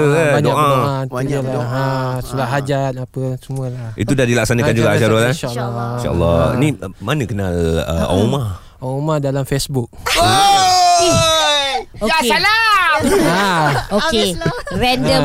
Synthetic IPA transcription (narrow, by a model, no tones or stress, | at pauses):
baɲoakʔãoʔãnt̪uəlaasulaʔɦad͡ʒat̪̚apəsəmuəlahḭt̪udahdilak̚sanakand͡ʒuɡaʔaʃaɾolaʃalːɔʃa̰ə̰lːɔnimanəkənalə̰ʔa̰ma | amadalamfesbuk̚ | okeala | aokerɛndə